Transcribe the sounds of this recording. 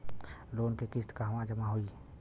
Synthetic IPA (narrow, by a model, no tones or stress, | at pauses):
loːnkekɪst̪kaɦɐʋãd͡ʒəmaɦoi